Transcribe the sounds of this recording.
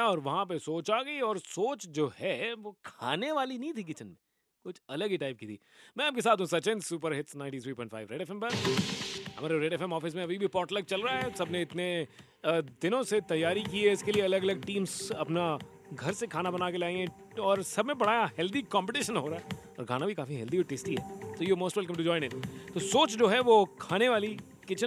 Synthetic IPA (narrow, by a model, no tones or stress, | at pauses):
ɔːɾʋɐɦãp̬esoːt͡ʃaːɡɐiɔːɾsoːt͡ʃd͡ʒoːhɛʋoːkʰa̰ːneʋaːlinɐĩt̪ʰik̬ɪt͡ʃənmẽ | kʊt͡ʃʰɐləɡiʈaːɪp̚kit̪ʰḭː | mɛ̃aːpkesaːt̪ɦũsɐt͡ʃẽnsuːpəɾɦɪʈsnãɪ̃ɳʈit̪ʰɾiːpɔ̃ɪ̃ʈfʰa̰ɪʋɾɛːɖɛːfɛ̃mpɐɾ | ɦɐmaːɾeɾeːɖɛːfɛmɔːfɪs̬mẽɐbʱibʱipɔːɾʈlɐɡ̚t͡ʃɐlɾɐaɦɛsɐbneɪt̪ne | d̪ɪnõset̪ɐjːaːɾikiɛɪskelieɐləɡɐləɡ̚ʈĩːmzɐpna | ɡʱɐɾsekʰaːnabɐnaːkelaːĩɛ̃ | ɔːɾsɐbʱmẽbɐɽ̤aːjahɛld̪ikɔ̃ːmpɪʈɪʃənɦoːɾaːɦɛɔ̰ːɾkʰa̰ːnabʱikaːfiɦɛld̪iɔːɾʈeːsʈiɦɛ̰ːt̪oːjumoːsʈʋɛlk̬ɐ̃mʈud͡ʒɔːɪ̃nɪʈt̪osoːt͡ʃd͡ʒoːɦɛʋokʰaːneʋaːli | kɪt͡ʃə